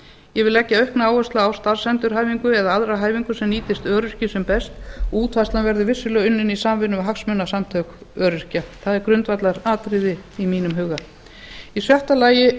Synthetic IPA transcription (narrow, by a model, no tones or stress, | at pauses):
jɛvɪlɛcːaœɥhknaaːwœst̪laːwst̪aɾ̥sɛnt̪ʏɾ̥ɦaːjviŋkʏɛðaaðɾaɦaːjviŋkʏsɛmniːt̪ɪst̪œːɾʏr̥cɪsɛmpɛst̪ɔuːt̪ʰvast̪lanvɛɾðʏvɪsːʏlœːɣʏnːɪnisaːmvɪnʏmɦaksmʏnːasamt̪ʰœkœːɾʏɾ̥caθaðɛɾkɾʏnt̪vat̪laɾaːt̪ɾɪðɪimiːnʏmɦʏɣa | isjœht̪alaːjɪ